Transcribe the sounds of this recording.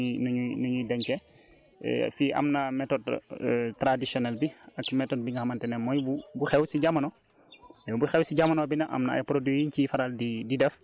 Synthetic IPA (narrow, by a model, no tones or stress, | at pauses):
nuɲunuɲudɛɲkɛ̰ | fiʔɐ̰mnɐmɛtɔdtɾadisjɔnɛlbiɐkmɛtɔd̚biŋɡɐhɐmɐntɛnɛmɔjbubuxɛwsiɟamːɐnɔ | ɛbuxɛwsiɟamːɐnɔbinɐʔɐ̰mnɐɐ̰jpɾodijiɲkifɐɾaldididɛf